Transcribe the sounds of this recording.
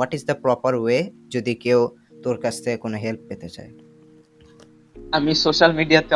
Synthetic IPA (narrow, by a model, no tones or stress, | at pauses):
aʈid͡ʑd̪apɾɔpaɾued͡ʑod̪ikew | t̪oɾkast̪ʰekonoɦelp̚pet̪et͡ɕa̰e | amisoʃalmiɖijat̪e